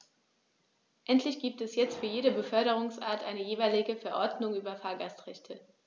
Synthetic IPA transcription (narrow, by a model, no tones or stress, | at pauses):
ʔɛntlɪçɡ̥iːp̚tɛsjɛt͡stfyːɐjeːɾəbəfœɐɾəʁ̞ʊŋsʔa̰ːɐtʔaɪnəjeːvaɪlɪɡəfɛɐʔɔɐdnʊŋʔyːbɐfaːɐɡastʁɛçtʰə